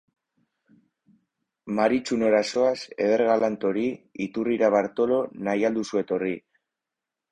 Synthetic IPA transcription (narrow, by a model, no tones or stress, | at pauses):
maɾit͡ʃuno̞ɾaso̞ase̞̰ðe̞ɾɣalant̪o̞ɾiit̪uriɾaβaɾt̪o̞lo̞najald̪usue̞t̪o̞ri